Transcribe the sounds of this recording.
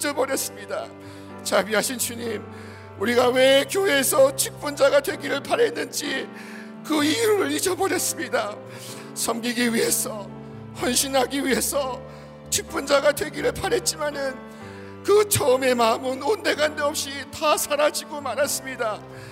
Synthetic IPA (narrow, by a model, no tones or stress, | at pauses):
d͡ʑʌbʌɾjʌs͈ɯmɲida | t͡ɕabiɦaɕʰint͡ɕuɲim | uɾiɡawe̞kjoɦeːsʰʌt͡ɕʰik̚p͈und͡ʑaɡadwe̞ɡiɾɯɭpaɾe̞nːɯnd͡ʑi | kɯijɾuɾɯɭid͡ʑʌbʌɾjʌs͈ɯmɲida | sʰʌmɡiɡiɥiɦe̞sʰʌ | ɸwʌnɕʰinɦaɡiɥiɦe̞sʰʌ | t͡ɕʰik̚p͈und͡ʑaɡadwe̞ɡiɾɯɭpaɾe̞t̚t͡ɕ͈imanɯn | kɯt͡ɕʰʌɯme̞mamɯnonde̞ɡandeʌp̚ɕ͈itasʰaɾad͡ʑiɡomanas͈ɯmɲida